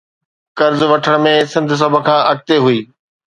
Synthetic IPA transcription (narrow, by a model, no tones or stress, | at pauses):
kɐɾzʋɐʈʰəɽ̃mẽsɪ̃nd̪ʱs̬ɐbʱəkʰãːʔɐk̚t̪eɦuiː